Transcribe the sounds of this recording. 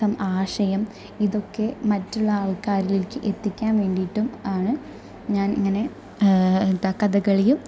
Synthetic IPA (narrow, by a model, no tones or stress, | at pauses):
ɐmaːʂɐjɐm | iðo̞kːe̞mɐtːuɭːɐaːɭkaːɾililikːɨʔe̞t̪ːikʲːaːnʋe̞ːɳɖiʈːumaːɳɨ | ɲaːniŋːɐne̞ | t̪ɐkːɐðɐɣɐɭejum